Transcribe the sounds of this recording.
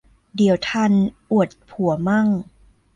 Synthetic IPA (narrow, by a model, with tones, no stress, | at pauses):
di˩˦əwt̪ʰa˧nʔu˨˩ə˩t̪̚pʰu˨˩˦ɐma˥˩ŋ